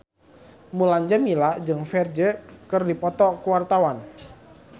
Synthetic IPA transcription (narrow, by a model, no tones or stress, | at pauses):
mulaɲd͡ʒamilad͡ʒɨŋfɛrd͡ʒəkɨrdipɔt̪ɔkuwart̪awan